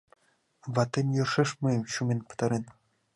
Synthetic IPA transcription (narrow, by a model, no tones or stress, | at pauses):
vɑt̪ːemʲjɤrʂɘ̆ʂmɤmɕumʲenʲpɤ̥̆t̪ɑɾen